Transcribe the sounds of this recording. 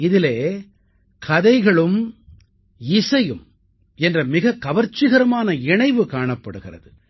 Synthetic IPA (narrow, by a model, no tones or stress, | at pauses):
ɪðɪleː | kʰɐðɐɪɣɐɭɯm | ɪsɐjɯm | ɛndrɐmɪɣɐkːɐʋɐɾt͡ʃːɪɣɐɾɐmaːnɐɪɳɐɪʋɯkaːɳɐpːɐɽɯɣɪrɐ̰ðɯ